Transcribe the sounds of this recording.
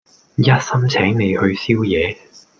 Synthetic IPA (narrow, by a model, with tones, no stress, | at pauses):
jɐ˥t̚sɐ˥mt͡sʰɛː˨˥ŋne˨˧jhɵ˧ɥsiː˥wjɛː˨˧